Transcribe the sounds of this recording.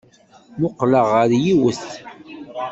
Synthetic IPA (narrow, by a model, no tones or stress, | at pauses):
mʊqləʁəɾjiwəθ